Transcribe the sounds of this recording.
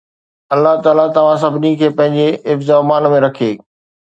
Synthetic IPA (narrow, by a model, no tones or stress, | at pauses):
ɐlːaɦt̪aːlat̪ɐʋ̤ãs̬ɐbʱɪnikʰeːpɐ̃ɦɪ̃ɲd͡ʑeʔɪfzamaːnmẽɾɐkʰeː